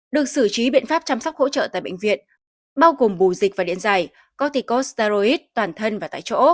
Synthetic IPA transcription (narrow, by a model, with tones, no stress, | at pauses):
ɗɨ˨˩ək̚sɨ˧˩t͡ɕi˨˦ɓḭ˧˨nfaː˦˥p̚t͡ɕa˧msa˦˥k͡p̚ho̰˧˥t͡ɕə̰ː˧˨t̪a̰ː˧˨jɓə̰˧˨jŋ̟vḭ˧˨ən | ɓaː˧wɣo˨˩mɓu˨˩zi̟˨˩vaː˨˩ɗḭ˧˨ənza˨˩j | kɔ˧t̪i˨˧˩ko˦˥st̪a˧zo˧i˦˥t̚t̪waː˨˩nt̪ʰə˧nvaː˨˩t̪a̰ː˧˨jt͡ɕo̰˧˥